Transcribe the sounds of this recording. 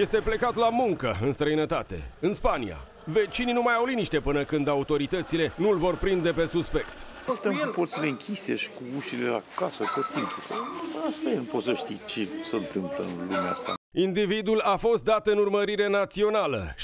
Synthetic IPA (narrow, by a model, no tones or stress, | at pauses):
je̞st̪e̞ple̞kat̪lamuŋkəɨnst̪ɾəinət̪at̪e̞̰ɨnspanḭa̰ | ve̞t͡ʃininumajawliniʃt̪e̞pɨnəkɨnd̪aut̪o̞ɾit̪ət̪sile̞nulvo̞rpɾind̪e̞pe̞suspe̞kt̪ | st̪əmkuport̪sileɨŋkʲʰisḛʃi̥kuuʃilela̰kasəkot̪impuɾeast̪ajelnupo̞t̪səʃt̪ijt͡ʃesəɨnt̪ɨmplə̰ɨlumḛa̰st̪a̰ind̪ivid̪ulafo̞st̪̚d̪at̪ɨnurməɾiɾe̞nat̪sio̞nalə̰ʃ